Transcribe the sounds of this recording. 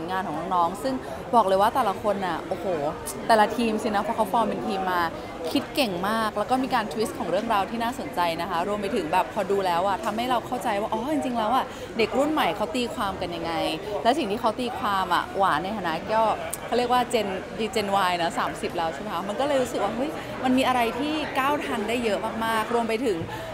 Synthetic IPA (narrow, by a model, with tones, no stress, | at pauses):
u˩˦nŋaː˧nkʰɔː˩ŋnɔ˧˥ŋnɔː˦˥ŋsɯ˥˩ŋ | bɔː˨˩k̚lɤː˧jwaː˥˩t̪ɛː˨˩la˧kʰo˧nʔa˨˩ʔoː˨˩hoː˨˩ | t̪ɛː˨˩la˧t̪ʰiː˧msi˧˩na˦˥pʰɔː˧˥kʰa˦˥wfɔː˧ŋpe˧nt̪ʰiː˧mːaː˧ | kʰi˦˥t̪̚ke˨˩ŋmaː˥˩k̚lɛː˦˥wkɔː˥˩miː˧kaː˧nt̪ʰwi˦˥kʰɔː˩˦ŋɾɯ˥˩əŋɾaː˧wt̪ʰiː˥naː˥˩so˨˩˦nt͡ɕa˧jna˦˥kʰa˦˥ɾu˧əmpa˧jt̪ʰɯ˩˦ŋbɛː˨˩pʰːɔː˧duː˧lɛː˦˥wʔa˨˩t̪ʰa˧mha˥˩jɾa˧wkʰa˥˩wt͡ɕa˧jwaː˥˩ʔɔː˦˥˩t͡ɕi˧ŋt͡ɕi˧ŋlɛː˦˥wʔa˨˩ | de˨˩k̚ɾu˥˩nma˨˩jkʰa˦˥wt̪iː˧kʰwaː˧mka˧nja˧ŋːa˧jlɛː˧˦˥ws̬i˨˩ŋt̪ʰiː˥kʰa˦˥wt̪iː˧kʰwaː˧mʔa̰˨˩waː˩˦na˧jt̪ʰaː˧na˦˥kɔː˥˩ | kʰa˥˩ɾi˥˩ək̚waː˥˩t͡ɕe˧ndiː˧t͡ɕe˧nwaː˧jnɔ˦˥saː˩˦msi˨˩p̚lɛː˦˥wt͡ɕʰːm˦kʰa˦˥ma˧nkɔː˥˩lɤː˧jɾu˦˥sɯ˨˩k̚waː˥˩ɦɤ˦˥j | ma˧nmiː˧ʔa˧ɾa˧jt̪ʰiː˥˩kaː˥˩wt̪ʰa˧ndaː˥˩jːɤ˦˥maː˥˩k̚maː˥˩k̚ɾu˧əmpa˧jt̪ʰɯ˩˦ŋ